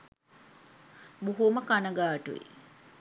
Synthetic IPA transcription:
buɦuməkanəɡaːʈuʋḭ

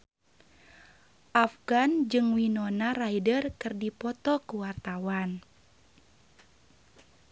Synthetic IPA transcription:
ʔafɡand͡ʒɨŋwinɔnaraidərkɨrdipɔt̪ɔkuwart̪awan

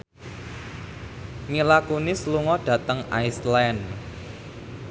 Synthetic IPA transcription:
ŋilakunisluŋɔɖ̥ä̤t̪əŋa̰jslɛn

